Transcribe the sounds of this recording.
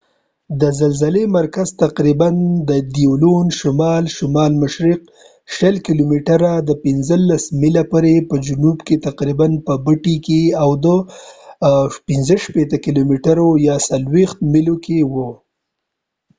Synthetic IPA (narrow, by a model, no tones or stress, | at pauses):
d̪əzalzalemaɾkazt̪aqɾiband̪əd̪iolonʃʊmɑlʃʊmɑlmʊʃɾiq̚ | ʃəlkilomiʈaɾad̪əpɪnzəlːasmilapəɾepəd͡ʒʊnubket̪aqɾibanpəbəʈikeawd̪ə | pɪnzəʃpet̪əkilomeʈaɾojɑsalwext̪̚mɪlokewə